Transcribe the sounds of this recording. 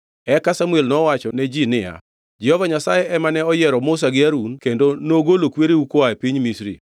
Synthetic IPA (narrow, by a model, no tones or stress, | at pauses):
ɛkasamuelnɔwat͡ʃɔnɛd͡ʒinɪja̰ | d͡ʒɪhɔvaɲasajɛɛmanɛɔjɛɾɔmʊs̬aɡɪaɾunkendonoɡolokweɾeukoaɛpiɲmisɾḭ